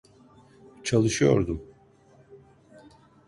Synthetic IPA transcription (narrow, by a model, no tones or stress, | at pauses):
t͡ʃʰalˠɯʃɯjo̰ɾd̪um